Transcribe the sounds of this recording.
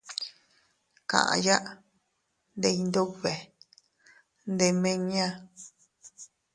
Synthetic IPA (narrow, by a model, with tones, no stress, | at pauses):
kã̰˨ʔã̰˨ja˦ʔ | nd̪e˧i˧nd̪o˦βe˨ | nd̪e˧mẽ˦˧ɲã˦